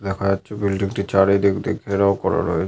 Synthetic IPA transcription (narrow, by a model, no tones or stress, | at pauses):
d̪ɛkʰad͡ʑatːɕʰobilɖiŋʈit͡ɕaɾed̪ikd̪ḭɡʰʱeɾaokɔɾa̰ɾɔ̰et͡ɕʰ